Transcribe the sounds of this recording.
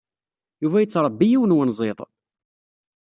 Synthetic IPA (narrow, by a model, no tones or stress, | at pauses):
juvæjət͡sːɾˤəbːijiwənwənzˤeðˤ